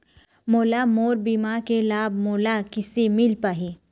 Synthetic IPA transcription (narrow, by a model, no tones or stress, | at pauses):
moːlamoːɾbiːmaːɾkelaːbmoːlakɪsemɪlpaːɦi